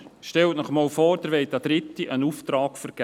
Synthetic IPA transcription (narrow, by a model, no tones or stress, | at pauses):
ʃtɛltnəχmɑːlfoːɾd̥̪əɾʋɛɪtɑd̥̪ɾɪtːiʔənuft̪ɾɑːkfəɾɡ̥